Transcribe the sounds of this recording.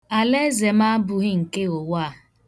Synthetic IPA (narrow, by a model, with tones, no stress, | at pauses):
a˨le˦ze˨m̩a˦bʊ˨ɣi˦ŋ̩˨ke˦o˨wa˦˨